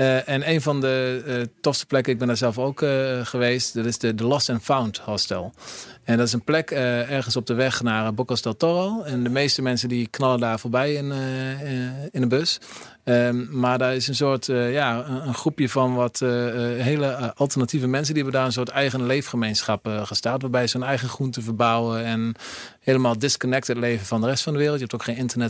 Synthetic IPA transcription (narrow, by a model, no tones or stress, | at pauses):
ʔɛnejnvɔndətɔfstə̥plɛkəɪɡ̚bɛndaːɹzɛlˠfowkχəʋejstdɑtɪsdədəlɔstɛnfawnthɔstɛ̰lˠɛndɔtɪsənplɛkəɛrɣənsɔp̚dəʋɛχnaːɹbokɔstɛlˠtɔχɔlˠɛndəmejstəmɛnsəndiknɑləndaːɹfoːɹbɛjɪn | ɪnəbøs | əmaːɹdaːɹɪsənsoːɹtjaːəənχrupjəvɑnʋɔtɦeːləʔɑlˠtərnativəmɛns̬əndiɦɛbəndaːɹənsoːtɛjɣənlejfχəmejnsχɑpχəstaːtʋaːbɛjəsonɛjɣənχruntəvəɹbawəɛnheːləmaːlˠdɪskɔnɛk̚tətlejvənvɔndərɛstfɑndəʋɪːrəlˠtjəɦɛptowkχeːnɪntərnɛt